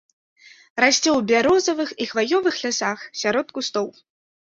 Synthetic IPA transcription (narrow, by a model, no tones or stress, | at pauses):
rasʲt͡sʲɛwbʲaɾɔzɐvɨxixvajɔvɨxlʲasaxsʲaɾɔt̪̚kust̪ɔw